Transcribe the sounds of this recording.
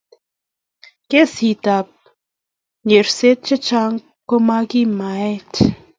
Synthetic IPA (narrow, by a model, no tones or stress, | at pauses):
keshit̪ap̚ | ɲeɾset̪̚t͡ʃət͡ʃaŋ | komaɡimaet̪ʰ